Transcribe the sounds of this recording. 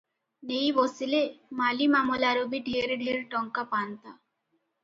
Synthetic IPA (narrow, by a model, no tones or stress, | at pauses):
nejʋosilemalimamolaɾobiɖʱeɾɖʱiːɾʈɔŋkapant̪a